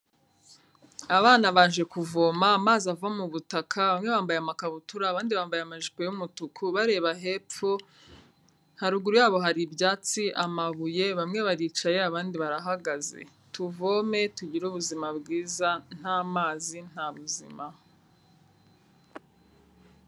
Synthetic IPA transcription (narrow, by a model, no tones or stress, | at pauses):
aβaːnaβaːnʒe̞kuvo̞ːmaːmaːziavuamuβutakʰaβamŋe̞βaːmbajeamakaβutuɾaβaːndiβaːmbajeamaʒipo̞jumutukʰuβaɾe̞ːβaɦe̞pp͡fu | nhaɾuɡuɾujaːβo̞ɦaɾibjaːt͡siʔamaβuje̞βamŋe̞βaɾiːt͡ʃaje̞aβaːndiβaɾaɦaɡazḛ | tuvo̞me̞tuɟiɾuβuzimabɡiːzan̥haːmaːzin̥haβuzḭma